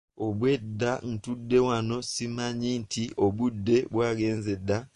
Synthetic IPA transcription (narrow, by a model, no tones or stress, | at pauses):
oβwedːan̩tudːe̞wano̞simaɲintʰiʔoβudːe̞βwaːɡeːnzedːa